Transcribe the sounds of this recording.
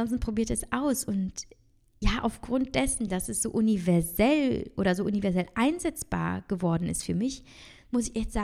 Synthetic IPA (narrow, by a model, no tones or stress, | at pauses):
ɔns̬tn̩pʁ̥obiːɐtɛsʔaʊsʊnt | jaːʔa̰ʊfɡ̥ʁʊnt̚d̥ɛsn̩dasɛsz̥oːʔʊnivɛɐzɛlʔoːɾɐzoːʔunivɛɐzɛlʔaɪnzɛt͡sb̥a̰ːɐɡ̥əvɔɐdn̩ɪ̰stfyːɐmɪç | mʊsɪçɛtz̥aː